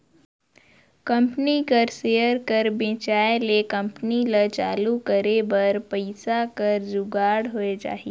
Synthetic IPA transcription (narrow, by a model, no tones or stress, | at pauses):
kə̃mpnikəɾseːəɾkɐɾbẽːt͡ʃaːelekɐ̃mpnilət͡ʃaːlukəɾebɐɾpəɪsakɐɾd͡ʒʊɡaːɽɦoed͡ʒa̰ːɦi